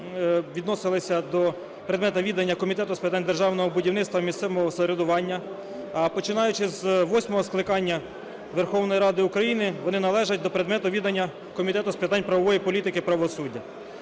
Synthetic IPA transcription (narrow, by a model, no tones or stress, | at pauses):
ʋʲid̪nɔsɪlˠɪsʲɐd̪ɔ | pɾed̪mɛt̪ɐʋʲid̪ɐnʲːɐkɔmʲit̪ɛt̪ʊspɪt̪ɑnʲd̪erʒɑwnɔɦɔbʊdʲiwnɪt̪t̪ʋɐmʲist̪sɛʋmɔɦɔsɔɾed̪ʊʋɑnʲːɐ | ɐpɔt͡ʃɪnɑjʊt͡ʃɪzʋɔsʲmɔɦɔsklˠɪkɑnʲːɐ | ʋerxɔwnɔjiɾɑd̪ɪʊkɾɐjinɪʋɔnɪnɐlˠɛʒɐtʲd̪ɔpɾed̪mɛt̪ʊʋʲid̪ɐnʲːɐ | kɔmʲit̪ɛt̪ʊspɪt̪ɑnʲpɾɐʋɔʋɔjipɔlʲit̪ɪkɪpɾɐʋɔsudʲːɐ